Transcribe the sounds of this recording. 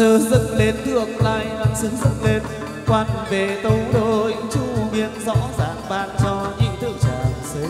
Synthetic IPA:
əː˧˩zə˧˥n̚le˧nt̪ɨ˧˩ək̚laː˧˩jna˧msɨ˨˧˦zə˦˥t̚le˧n | kwaː˧˩nve˨˩t̪ə˧wɗo˧˨˩ʔə˨˧˦ŋt͡ɕu˧˩vḭ˧˨ənzɔ̰˧˥zaː˨˩ŋɓaː˧˨˩nt͡ɕɔ˧ɲɨ̰˧˦ŋt̪ʰe˧˩t͡ɕaː˨˩sə˨˦

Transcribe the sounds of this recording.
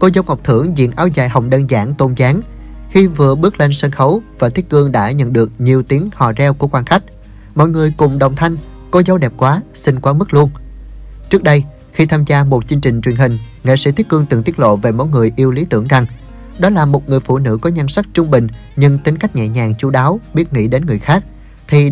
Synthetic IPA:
ko˧zə˧wŋ͡mŋha˨˩k͡p̚t̪ʰɨ˧˩əŋzḭ˧˨ənʔaː˧wza̰ː˧˨˩jɦə˨˩wŋ͡mɗəː˧nza̰ː˧˩ŋt̪o˧nzaː˨˦ŋ | xi˧vɨ˨˩əɓɨ˦˥ək̚le˧nsə˧nxə˨˦wvaː˨˩t̪ʰi˦˥kɨ˧əŋɗa̰ː˧˥ɲə̰˧˨nɗɨ˨˩ək̚ɲi˨˩əwt̪i˨˦əŋhɔ̰ː˧˨zɛ˧wku˧˩əkwaː˧nxa˦˥jk̟̚ | mɔ̰˧˨jŋɨ˨˩əjkʊ˨˩ŋ͡mɗə˨˩wŋ͡mt̪ʰa˧jŋ̟ | kɔ˨˦zə˨˦wɗɛ˨˩p̚kwaː˨˦sï˧ŋ̟kwaː˨˦mɨ˦˥k̚lu˧ən | t͡ɕɨ˦˥ək̚ɗə˧j | xi˧t̪ʰaː˧mzaː˧mo˨˩t̚t͡ɕɨ˧ŋt͡ɕï˨˩ŋ̟t͡ɕwi˨˩ənɦï˨˩ŋ̟ | ŋḛ˧˨˥sɛ̰˧˥t̪ʰi˦˥k̚kɨ˧əŋt̪ɨ˨˩ŋt̪i˦˥ət̚lo̰˧˨ve˨˩mɔ̰˧˥jŋɨ˨˩əjʔi˧əwli˨˦t̪ɨ̰˧˩əŋza˨˩ŋ | ɗɔ˨˦laː˨˩mo˨˩t̚ŋɨ˨˩əjfṵ˧˩nɨ̰˧˥kɔ˨˦ɲa˧nsa˦˥k̚t͡ɕʊ˧ŋ͡mɓï˨˩ŋ̟ | ɲɨ˧ŋt̪i˨˦nka˦˥jk̟̚ɲɛ̰˧˨ɲaː˨˩ŋt͡ɕu˧˦ɗaː˨˦wɓi˦˥ət̚ŋḭ˧˥ɗe˨˦nŋɨ˨˩əjxaː˦˥k̚ | t̪ʰi˨˩

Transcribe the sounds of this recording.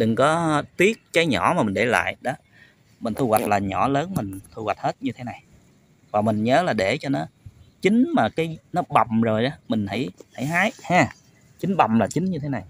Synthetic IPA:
ɗɨ˨˩ŋkɔ˨˦t̪i˦˥ət̚kaː˨˦jɲɔ˧˩˦maː˨˩mï˨˩ŋ̟ɗe˧˩la̰ː˧˨jɗɔ˨˦ | mï˨˩ŋ̟t̪ʰu˧ɣwa˨˩t̚laː˨˩ɲɔ˧˩˦ləː˨˦nmï˨˩ŋ̟t̪ʰu˧wa˨˩jt̚he˦˥t̚ɲɨ˧t̪ʰe˨˦na˨˩j | vaː˨˩mï˨˩ŋ̟ɲəː˨˦laː˨˩ɗe˧˩t͡ɕɔ˧nɔ˨˦t͡ɕï˨˦ŋ̟maː˨˩kaː˨˦jnɔ˨˦ɓa˨˩wmzo˨˩jɗɔː˨˦mï˨˩ŋ̟hə˧˩jhə˧˩˦jɦaː˨˦jhaː˧˩ | t͡ɕi˨˦ŋ̟ɓa˨˩mlaː˨˩t͡ɕï˨˦ŋɲɨ˧t̪ʰe˨˦na˨˩j

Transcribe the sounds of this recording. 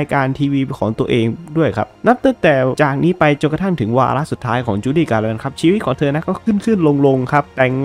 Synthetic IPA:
jkaː˧nt̪ʰiː˧wiː˧kʰɔː˩˦ŋt̪u˧əʔeː˧ŋdu˥˩əjkʰa̰˦˥p̚na˦˥p̚t̪a˧˥˩ŋt̪ɛː˨˩t͡ɕaː˨˩k̚niː˦˥pa˧jt͡ɕo˧˨˩ka˧t̪ʰa˥˩ŋt̪ʰɯ˩˦ŋwa̰ː˧ɾa˦˥ʔsu˨˩t̪ʰːaː˦˥jkʰɔː˩˦ŋt͡ɕuː˧˦liː˥˩kaː˧lɛː˧nkʰa˦˥p̚t͡ɕʰiː˧wi˥t̪̚kʰːŋt̪ʰɤː˧na˦˥kɔː˥˩kʰɯ˥˩nkʰɯ˥˩nlo˧ŋlo˧ŋkʰa˦˥p̚t̪ɛ˨˩ŋ

